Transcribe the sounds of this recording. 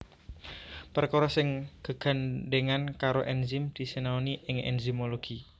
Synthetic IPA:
pərkoɾɔsɪŋɡ̥ə̤ɡ̥a̤nɖeŋankaɾoʔɛnzɪmd̪̥i̤senaoniʔɪŋɛ̰nzimoloɡ̥i

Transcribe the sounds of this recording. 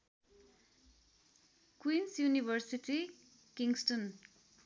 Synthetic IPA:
kwinsjunibʱʌrsiti | kiŋsʈʌn

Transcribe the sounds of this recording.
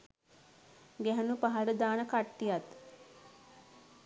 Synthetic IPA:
ɡɛɦənupaɦaɾəd̪aːnəkaʈːijat̪

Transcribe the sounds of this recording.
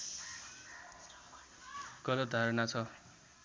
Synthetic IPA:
kʌlʌd̪ʱaɾʌnat͡sʰʌ

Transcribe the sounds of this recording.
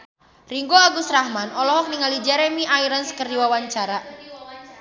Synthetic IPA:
riŋɡoaɡust̪rahmanɔlɔɦɔk̚niŋalid͡ʒɛɾemiʔaiɾənskərdiwawaɲt͡ʃaɾa

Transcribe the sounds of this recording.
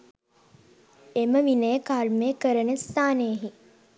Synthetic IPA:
eməʋinəjəkaɾmeːkəɾənəst̪aːnejəɦi

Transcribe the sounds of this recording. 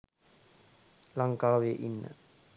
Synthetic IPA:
laŋkaːʋeʔinːə̰

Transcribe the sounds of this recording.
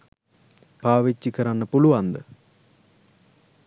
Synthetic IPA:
paːʋet͡ɕːikɐɾanːɐpuluʋand̪ɨ

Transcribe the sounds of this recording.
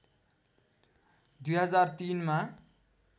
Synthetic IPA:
d̪ujɦʌd͡zart̪inma

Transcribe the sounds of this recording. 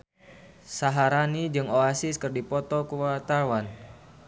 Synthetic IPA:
saɦaɾanid͡ʒɨŋoasiskɨrdipɔt̪ɔkuwat̪awan

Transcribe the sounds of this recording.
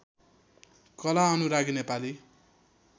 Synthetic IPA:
kʌlaʌnuɾaɡinepali

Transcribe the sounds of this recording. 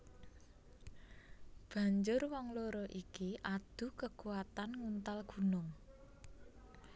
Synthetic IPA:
b̥a̤ɲd͡ʒʊrwɔŋloɾɔʔikiʔad̪̥ṳkəkuat̪anŋunt̪alɡ̥ṳnʊŋ

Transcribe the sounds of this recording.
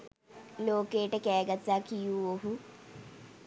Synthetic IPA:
loːkejəʈəkɛːɡat̪ːaːkijuːoɦu

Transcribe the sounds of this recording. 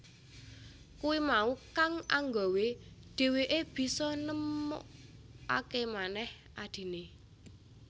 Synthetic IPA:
kuwimaukaŋa̰ŋɡɔweɖ̥e̤weʔeb̥i̤sɔnəmɔ̰ʔa̰kemanɛh | ʔad̪̥i̤ne

